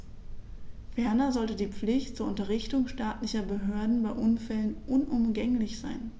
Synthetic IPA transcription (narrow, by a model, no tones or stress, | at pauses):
fɛɐnɐzɔltədiːp͡flɪçtt͡suːɐʊntɐʁ̞ɪçtʊŋʃtaːtlɪçɐbəɦøːɐdn̩baɪʔʊnfɛlənʔʊnʔʊmɡɛŋlɪçz̥aɪn